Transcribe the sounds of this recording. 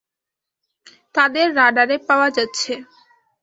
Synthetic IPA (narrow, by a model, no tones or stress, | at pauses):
t̪ad̪eɾːaɖaɾepaoad͡ʑatːɕʰe